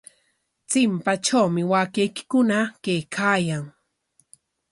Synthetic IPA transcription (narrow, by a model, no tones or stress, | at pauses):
t͡sɪmpat͡ʃawmɪwakejkɪ̥kʊnakejkʰaːjaŋ